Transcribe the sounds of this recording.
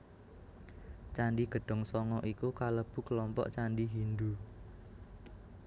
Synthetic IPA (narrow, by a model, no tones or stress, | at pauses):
t͡ʃaɳɖiɡ̥ə̤ɖ̥ɔ̤ŋsɔŋɔʔikukaləb̥ṳkəlɔmpɔ̰ʔt͡ʃaɳɖiɦind̪u